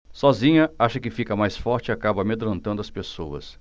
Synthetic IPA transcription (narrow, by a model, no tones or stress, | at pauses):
sɔzĩɲɐaʃɐkɪfikɐmajsfɔɾt͡ʃɪiakabɐmed̪ɾɐ̃nt̪ɐ̃nd̪ʊɐspesowɐ̰s